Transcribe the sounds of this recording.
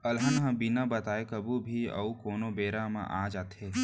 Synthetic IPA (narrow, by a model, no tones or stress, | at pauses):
ɐlɦənɦɐ̃binabɐt̪aːekɐbubʱiɐ̰ukoːnobeːɾamã̰ʔa̰ːd͡ʒaːt̪e